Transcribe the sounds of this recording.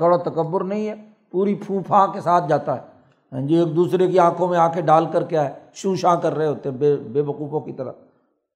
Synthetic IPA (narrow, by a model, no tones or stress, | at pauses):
əɽat̪əkəbːʊɾnəɦĩɦɛː | puːɾipʰũːpʰãːkesaːt̪̚ʰd͡ʒaːt̪aɦɛː | ɦə̃nd͡ʒieːk̚d̪uːsɾekiãːkʰõmẽaːkʰeɖaːlkəɾkɪjaɦɛːʃũːʃãːkəɾːəeɦoːt̪eɦɛ̃bebeːʋəkuːfõkit̪əɾə̰